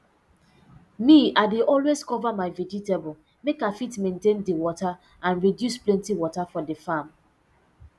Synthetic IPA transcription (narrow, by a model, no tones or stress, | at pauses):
miaɪdeʔɔlweskɔvamaɪvɛd͡ʒitebɔl | mekafitmẽntẽndiwɔta | ãnɹidjusplɛ̃ntiwɔtafɔdəfam